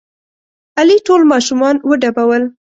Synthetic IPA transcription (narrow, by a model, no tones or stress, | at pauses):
aliʈolmɑʃumɑnwəɖabawəl